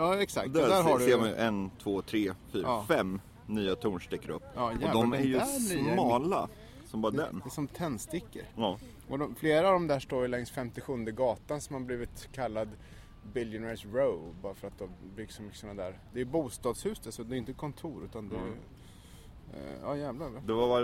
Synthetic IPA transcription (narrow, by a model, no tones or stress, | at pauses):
jɑːɛksa̰ktd̪d̪æːɾɦaɖseːɾma̰ʔɛnt̪ʰvoːt̪ʰɾeːfyːɾɑːfɛmː | nyːat̪ʰuːɳʂʈ̪ɪkːaɾɵ̰pːɑːjɔæd̪ɔmæɾjɵnyːamɑːla | sɔmbɑːɾd̪ɛ̰nd̪ɛsɔmt̪ʰɛnːst̪ɪkːə̰ɾ | ʔɔd̪ɔmfleːɾavd̪ɔmd̪æːʂʈoːɾjlɛŋsfɛmt̪ɪɧɵnd̪əɡɑːt̪ansɔmhabliːvɪt̪kʰalːad̪ | bɪljʊnæɾsɾoʊbɑːɾafœɾat̪̚d̪ɔmbʏɡsɔmʏkːə̥sɔnːad̪æːɾd̪ɛjɵbuːst̪ɑːd̪shʉ̟ːsd̪asɔd̪ɛjɪnt̪əkʰɔnt̪ʰuːɾʉ̟ːt̪and̪ɛ̰ | jɑ̰ːjæːvlad̪ɛvava